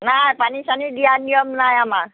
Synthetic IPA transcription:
napanisanidijanijɔmnajama

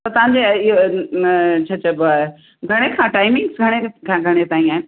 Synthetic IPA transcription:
t̪ot̪ɐʋãɲd͡ʑeɪɦo | t͡ɕʰɐt͡ɕɐbɪaɦe | ɡʱɐɽ̃ekʰãːʈaːɪmɪ̃ŋɡsɡʱɐɽ̃ekʰãɡʱɐɽ̃et̪aːĩaːɦen

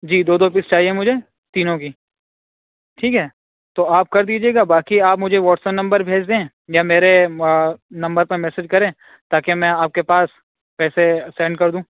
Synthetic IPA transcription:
d͡ʒiːd̪oːd̪opiːst͡ʃaːɦiɛmʊd͡ʒʱe | t̪iːnõki | ʈʰiːkɦɛː | t̪oaːp̚kɐɾd̪iːd͡ʒieːɡaːbaːkiaːpmʊd͡ʒʱeʋɔːʈsɛpnɐ̃mbəɾbʱeːd͡ʒd̪ẽɛ̃ː | jameːɾe | nɐ̃mbəɾpɐmɛːsed͡ʒkɐɾẽː | t̪aːkemɛ̃aːp̚kepaːs | pɛːsesɛ̃ːɳɖ̚kɐɾd̪ũː

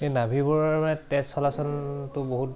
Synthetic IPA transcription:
enabʱibɔɹɔmanɛtɛsɔlasɔntʊboɦut

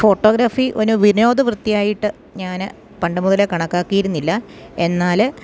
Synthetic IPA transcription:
fo̞ʈːo̞ːɣɾɐfiʔonuʋino̞ːd̪ɐʋrɨt̪ːijaːjiʈːɨ | ɲaːnɨ | pɐɳɖɐmuðɐlekɐɳɐkːaːkːijiɾunːilːɐe̞nːaːl

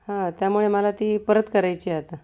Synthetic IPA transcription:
hãt̪jamuɭeməlat̪iːpəɾət̪kəɾajt͡ɕiːat̪a

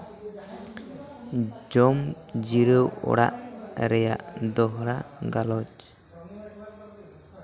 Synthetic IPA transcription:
d͡ʒɔm | d͡ʒiɾəwɔ̰ɽa̰ʔɾɛja̰ʔd̪ɔɦɾaɡalɔt͡ʃ

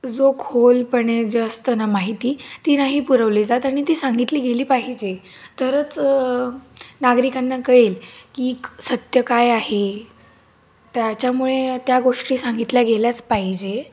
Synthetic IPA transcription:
d͡zokʰolpəɳed͡zəst̪ənamaɦit̪iːt̪iːnaɦiːpuɾəʋlid͡zat̪aɽ̃it̪iːsãŋɡit̪liːɡeliːpaɦid͡ʑet̪əɾət͡s | naɡɾikanːakəɭiːlkiksət̪jəkajahe | t̪jat͡ɕjamuɭet̪jaɡoʂʈiːsãŋɡit̪ljaɡeljat͡spaɦid͡ʑe

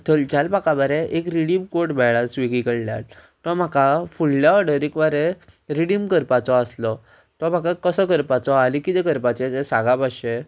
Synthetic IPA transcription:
t̪ʰəlt̪alpakabaɾɛʔekɾiɽimkoɾʈbʱɛɭasʋiɡikəɽlja̰ | t̪ɔm̤akafuɽljaɔɽəɾikʋaɾɛ | ɾiɽimkəɾpat͡sɔaslɔ | t̪ɔm̤akakəsəkəɾpat͡sɔalikit̪ɛkəɾpat͡ɕat͡sɛsaɡapaɕe

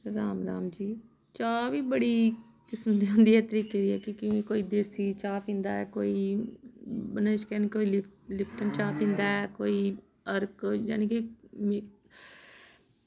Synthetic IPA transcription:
ɾaːmɾaːmd͡ʒiː | t͡ʃaːʋiːbəɽiː | kɪsmd̪iːɦʊnd̪iːɛːt̪əɾiːkeːd̪iːɛːkɪkɪʋẽːkoːiːd̪eːsiːt͡ʃaːpʰɪ̃ːnd̪aːɛːkoːiː | bənəʃkɛːneːkoːilɪlɪpʰʈənt͡ʃaːpʰɪ̃nd̪aːɛːkoːiː | əɾkja̰ːnẽːkimɪ

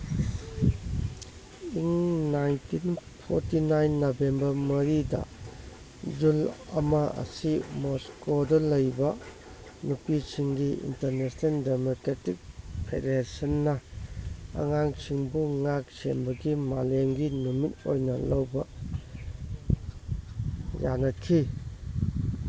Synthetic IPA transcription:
iŋnajntinpʰo̰ɾtinajnːobembɐɾmɐɾidɐ̰ | d͡ʒulɐ̰mɐʔɐ̰simoskodɐlɐjbɐ | nupisiŋɡiḭntɐɾnesnɐldemokɾetik̚pʰḛɾesɐnːɐ | ɐ̰ŋaŋsiŋbuŋak̚sembɐɡimalemɡinumit̚o̰jnɐlɐwbɐ | ja̰nɐkʰi

